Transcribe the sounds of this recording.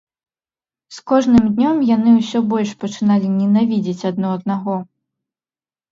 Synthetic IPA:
skɔʐnɨmd̪ʲnʲɔmjanɨwsʲɔbɔlʲʂpɐt͡ʂɨnalʲinʲɛnavʲid͡zʲit͡sʲɐd̪̚nɔɐd̪̚naɣɔ

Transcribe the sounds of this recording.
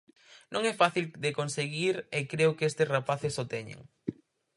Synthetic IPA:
nʔõŋɛfaθild̪ekonseɣiɾekɾewkest̪ɪsrapaθesot̪ɛɲḛ̃ŋ

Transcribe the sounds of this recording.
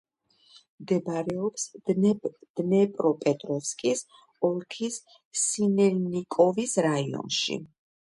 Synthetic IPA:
md̪ɛbaɾɛɔps | d̪̥nɛpʼɾɔpʼɛt̪ʼɾɔfskʼis | ɔlkʰisː | inɛlnikʼɔvisɾaiɔ̰nʃḭ

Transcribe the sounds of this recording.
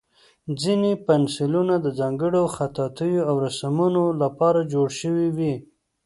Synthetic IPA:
d͡zinepansɪlunad̪əd͡zɑŋɡəɽoxat̪ɑt̪əjoawɾasamunolapɑɾad͡ʒoɽʃəwiwi

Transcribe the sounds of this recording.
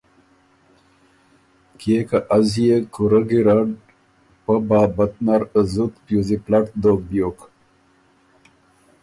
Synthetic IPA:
kekaʔazijekuɾəɡiɾaɖ | pəbaːbət̪̚naɾəzut̪pjuziplaʈd̪ok̚bjok

